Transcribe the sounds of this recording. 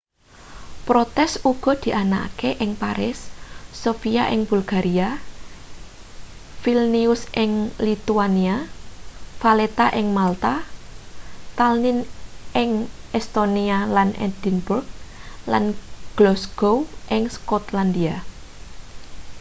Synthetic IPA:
pɾot̪ɛsuɡ̥ɔ̤d̪̥i̤ʔana̰keʔɪŋpaɾɪsːofiaʔɪŋb̥ulɡ̥aɾʔia | filniʊsʔɪŋlit̪uania | falet̪aʔɪŋmalt̪a | t̪alnɪnʔɪŋʔɛst̪onialanɛ̰d̪̥inburɡ̚la̰nɡ̥lɔsɡ̥owʔɪŋskɔt̪land̪ia

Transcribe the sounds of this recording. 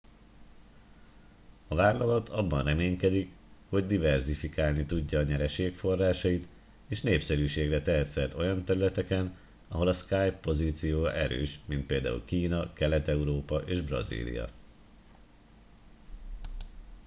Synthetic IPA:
ɒvaːlːɒlɒt̪ʰɒbːɒnrɛmeːɲkɛd̪ik | ho̞ɟd̪ivɛrzifikaːlnit̪uɟːɒːɲɛɾɛʃeːkfo̞rːaːʃɒjit̪ | eːʃneːpsɛɾyːʃeːɡrɛt̪ɛɦɛt̪sɛrt̪o̞jɒnt̪ɛɾylɛt̪ɛkɛn | ɒɦo̞lɒskaːjpːo̞ziːt̪sijoːjɒʔɛɾø̰ːʃmint̪peːld̪a̰ːṵlkiːnɒkɛlɛt̪ɛuɾoːpɒʔeːʒbrɒ̰zḭːlḭjɒ̰

